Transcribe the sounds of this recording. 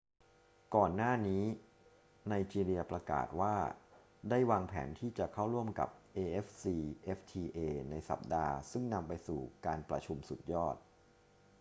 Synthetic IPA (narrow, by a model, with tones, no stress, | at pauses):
kɔː˨˩nːaː˥˩niː˦˥ | na˧jt͡ɕiː˧ɾi˧ɐpɾa˧ka̰ː˨˩t̪̚waː˥˩ | daː˥˩jwaː˧ŋpʰɛ̰ː˩˦nt̪ʰiː˥˩t͡ɕa˨˩kʰa˥˩wɾu˥˩əmka̰˨˩p̚ʔeː˧ʔe˦˥fsiː˧ʔe˦˥ft̪ʰiː˧ʔeː˧na˧jsa̰˨˩p̚daː˧sɯ˥˩ŋna˧mpa˧jsṵː˨˩kaː˧npɾa˧t͡ɕʰu˧msu˨˩t̪̚jɔː˥˩t̪̚